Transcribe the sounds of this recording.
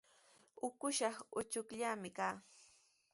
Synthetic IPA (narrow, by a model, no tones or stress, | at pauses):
ʊkʊʃɑχʊt͡ʃʊkʎamɪkaː